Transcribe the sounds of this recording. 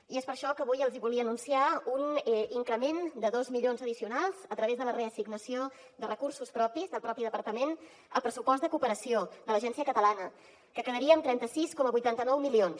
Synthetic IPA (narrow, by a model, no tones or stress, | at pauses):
iespəɾʃɔkəːβujəlˠziβulˠiəːnunsiauniŋkɾəmend̪əðozmiʎonzəðisiunalˠz̥ət̪ɾəβezðələreəsiɡnəsio | d̪ərʔəkursuspɾɔpizðəlˠpɾɔpiðəpəɾt̪əmen | əlˠpɾəsupɔst̪d̪əkupəɾəsiod̪ələʒɛnsiəkət̪əlanə | kəkəðəɾiəːmt̪ɾɛnt̪əsiskɔməβujt̪ant̪ənɔwmilions